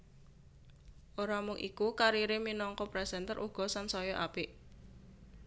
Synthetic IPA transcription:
ʔoɾamʊŋʔḭkukaɾiɾeminɔŋkɔpɾɛsɛnt̪əɾʔuɡ̥ɔ̤sansɔjɔʔapiʔ

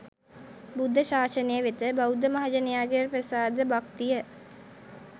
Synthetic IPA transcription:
bud̪ʱːəɕaːʃənejəʋet̪əbawd̪ʱəmaɦad͡ʒənejaːɡeɾprəsaːd̪əbakt̪ijə

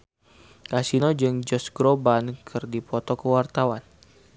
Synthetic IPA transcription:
kasinod͡ʒɨŋd͡ʒɔsɡɾobankʰɨrdipɔt̪ɔkəwart̪awan

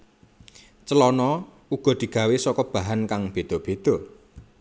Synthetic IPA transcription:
t͡ʃəlɔnɔ | uɡ̥ɔ̤d̪̥i̤ɡ̥ä̤wesɔkɔb̥a̤ɦankaŋb̥ed̪̥ɔb̥e̤d̪̥ɔ̤

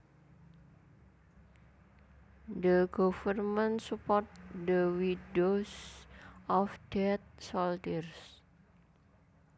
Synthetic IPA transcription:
d̪əɡ̥ɔfərmənsupɔrt̪̚d̪əwidos | ʔɔfd̥ɛt̪̚sɔlt̪irs

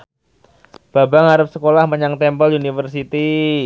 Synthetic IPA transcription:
b̥abaŋaɾap̚səkolahməɲaŋt̪ɛmpəlunifərsit̪i

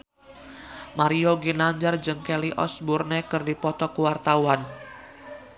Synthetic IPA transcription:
maɾioɡinaɲd͡ʒard͡ʒɨŋkeliʔɔ̰sburnekɨrdipɔt̪ɔkuwart̪awan

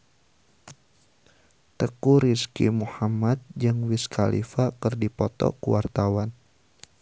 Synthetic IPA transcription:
t̪əkuɾiskḭmuhamat̪̚d͡ʒɨŋwiskʰalḭfakɨrdipɔt̪ɔ̰kuwart̪awan

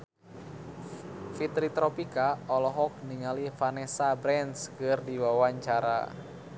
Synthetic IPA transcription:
fit̪ɾit̪ɾɔpikaɔlɔɦɔk̚niŋalifanɛsabɾɛnskərdiwawaɲt͡ʃaɾa̰

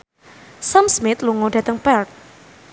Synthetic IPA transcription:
samsmɪt̪luŋoɖä̤t̪əŋpɛrt̪̚

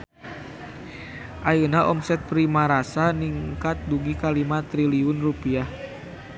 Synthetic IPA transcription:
ʔajunaʔɔmsɛt̪̚pɾimaɾasaniŋkat̪̚duɡikalimat̪ɾiliunrupiah

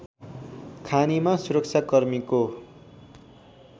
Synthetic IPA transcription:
kʰanimasuɾʌk̚t͡sʰakʌrmiko

